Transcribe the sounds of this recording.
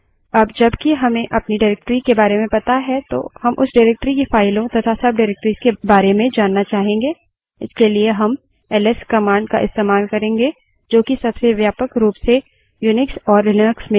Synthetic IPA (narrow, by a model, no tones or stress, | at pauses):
ɐbd͡ʒɐbkiɦɐmẽʔɐpniɖaɪɾɛk̚ʈɾikebaːɾemẽpɐt̪aɦɛt̪o̰ːhɐmʔʊ̰sɖaːɪɾeːk̚ʈɾikefaːɪlõt̪ɐt̪ʰasɐb̚ɖaɪɾeːk̚ʈɾizkebaːɾemẽd͡ʒaːnːat͡ʃaːɦẽːŋɡeː | ɪskelieɦɐm | ɛːlɛskɐmaːɳɖka̰ʔɪ̰st̪eːmaːlkɐɾẽːŋɡe | d͡ʒoːkisɐbseʋjaːpəkɾuːpse | juːnɪksɔːɾːɪləksmẽ